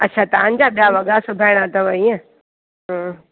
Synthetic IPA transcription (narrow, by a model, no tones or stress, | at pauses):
ɐtːɕʰat̪ɐʋə̃ɲ̆d͡ʑaɓijaʋɐɡasʊbʱaːɪɽ̃at̪ɐʋɐiə̃ | ɦə̃